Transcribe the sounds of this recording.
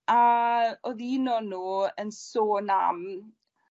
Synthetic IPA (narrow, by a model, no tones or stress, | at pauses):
aɔðinɔnuːənsoːna̰m